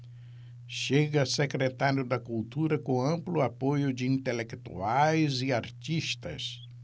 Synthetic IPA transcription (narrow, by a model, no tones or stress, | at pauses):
ʃeɡɐsekɾet̪aɾjʊd̪ɐkult̪uɾɐkõɐ̃mplʊapojʊd͡ʒɪĩnt̪elekt̪ṵajzɪaɾt͡ʃiʃt̪ɐ̰s